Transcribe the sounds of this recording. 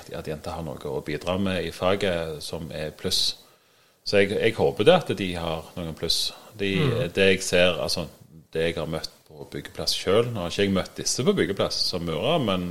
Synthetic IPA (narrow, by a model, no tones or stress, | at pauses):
ɑt̪d̪ɪɪnt̪ːəhɑɾno̰ːɡəɔbiːd̪ɾɑːmɛɪfɑːɡəsɔmɛ̰ɾpʰlʉs | sɔɛɡɛɡhoːbəd̪ɛɑt̪d̪ɪhɑɾnoːɡənpʰlʉsfd̪ɪd̪ɛɛɡseːɾɑ̰lsɔd̪̥ɛɛɡhɑɾmœt̪ːpʰɔbʏɡːəpʰlɑsʃøːlnɔɑʁɪçːəɛɡmœt̪ːd̪ɪsːəpɔbʏɡəpʰlɑssɔmmʉːɾɑmɛn